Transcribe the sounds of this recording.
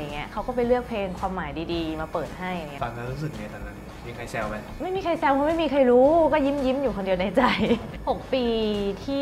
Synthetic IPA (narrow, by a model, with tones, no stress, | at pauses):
a˨˩ŋːi˦˥ɐʔkʰa˦wkɔː˥˩pa˧jlɯ˥˩ək̚pʰleː˧ŋkʰwaː˧mːaː˩˦jdiː˧diː˧maː˧pɤː˨˩t̪̚ha˥˩ja˨˩ŋː˦˥a˨˩a˧˥ɾuː˦˥s̬ɯ˨˩k̚ni˧˩t̪ʰa˧nːa˦˥˩mi˧˩ŋkʰa˧jsɛ˧wba˦˧˩ma˥˩jmiː˧kʰa˧jsɛː˧wpʰa˦˥ma˥˩jmiː˧kʰa˧jɾuː˦˥kɔː˥˩ji˦˥mji˦˥mjuː˨˩kʰo˧ndi˧ə˧wna˧jt͡ɕa˧jho˨˩k̚piː˧t̪ʰiː˥˩